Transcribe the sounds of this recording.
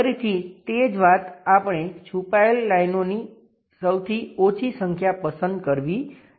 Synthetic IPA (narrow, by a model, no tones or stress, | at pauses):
ɾit̪ʰit̪ed͡ʒʋat̪apɳ̃et͡ʃʰupaelːajnoni | səwt̪ʰiot͡ʃʰisəŋkʰjapəsənd̪̚kəɾʋi